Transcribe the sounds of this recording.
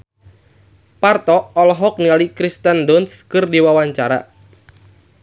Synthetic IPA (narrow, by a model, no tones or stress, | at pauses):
part̪ɔːlɔɦɔk̚nialikɾist̪əndɔnskɨrdiwawaɲt͡ʃaɾa̰